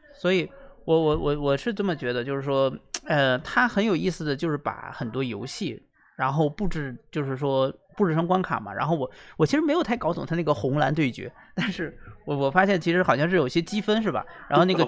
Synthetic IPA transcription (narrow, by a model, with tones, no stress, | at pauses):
swɔ˧˥i˧˩˦wɔ˧˩wɔ˨˩˥wɔ˨˩wɔ˨˩ʂɻ̩˥˧ʈ͡ʂə˥˩mə˩t͡ɕɥɛ˧˥d̪ə˧t͡ɕjo˥˧ʊʂɻ̩˥˩ʂwɔ˥ə˥˧t̪ʰa˥xə˧˥njo˨˩ʊi˥˩sɹ̩˨˩d̪ə˩t͡ɕjo˥˧ʊʂɻ̩˥˩pa̰˨˩˦xə˨˩nt̪wɔ˥jo˧˥ʊɕi˥˩ | ɻa˧˥nxo˥˧ʊpu˥˩ʈ͡ʂɻ̩˥˩t͡ɕjo˥˧ʊʂɻ̩˥˩ʂwɔ˥pu˥˩ʈ͡ʂɻ̩˥˩ʂʰɤ˥ŋkwa˥nkʰa̰˨˩mɐ̰˦ɻa̰˧˥nxo˥˩ʊwɔ˨˩wɔ˨t͡ɕʰi˥ʂɻ̩˧˥e˧˥ɪjʊt̪ʰɪkɑ˥ʊt͡sʊ˨˩ŋt̪ʰa˥na˥˩ɡə˩xʊ˧˥ŋla˧˥nt̪we˥˩ɪt͡ɕɥɛ̰˧˥ | t̪a˥˧nʂɻ̩˥˩wɔ˨˩wɔ˨˩fa˥ɕjɛ˥˩nt͡ɕʰi˧˥ʂɻ̩˧˥xɑ˨˩ɕjɑ˥˧ŋʂɻ̩˥˩jo˨˩ʊi˧˩jɛ˥t͡ɕi˥fə˥nʂ̬ɻ̩˥˩bɐ̰˩ɻa˧˥nxo˥˧ʊna˧˥˩ɡə˧